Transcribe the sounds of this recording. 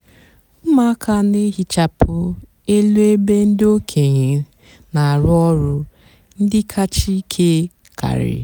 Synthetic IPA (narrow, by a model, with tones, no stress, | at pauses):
m̩˦ma˦a˦kʰa˦ne˦ɦi˦t͡ʃa˨pʊ˦ | e˦lu˦e˦be˦n̩˦dɪ˦o˦kʰe˨ɲe˨˦ | na˨a˨ɾʊ˦ɔ˦ɾʊ˦ | n̩˦dɪ˦kʰa˦t͡ʃi˦kʰe˦ | kʰa̰˨ɾɪ̰˨